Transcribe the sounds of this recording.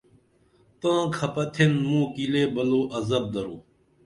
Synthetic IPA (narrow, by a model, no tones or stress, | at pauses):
t̪ãːkʰɐpɐt̪ʰenmũːkileːbɐloːʔɐzɐb̚d̪ɐɾoː